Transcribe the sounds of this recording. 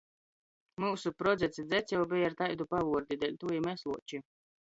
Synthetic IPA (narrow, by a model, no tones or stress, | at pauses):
muːsupɾɔd̪zɛt̪sid̪zɛt̪sʲɛwbijaɾt̪ajd̪upavuɔɾd̪id̪ɛlʲt̪ujimɛslˠuɔt͡ʃi